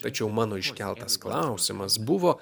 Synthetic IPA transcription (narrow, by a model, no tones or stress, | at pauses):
t̪ɐt͡ʃʲɛʊmɑːnoːɪʃʲkʲɛlˠt̪ɐsklˠɑˑʊsʲɪmɐsbʊʋoː